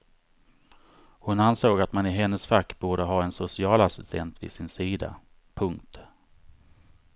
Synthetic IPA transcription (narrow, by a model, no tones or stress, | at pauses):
hʊnansoːɡat̪manɪɦɛnːəsfakːbuːɖəɦɑːɛnsʊsɪɑːlasɪst̪ʰɛnt̪vɪ̰sɪnsiːd̪a̰ | pʰɵŋkt̪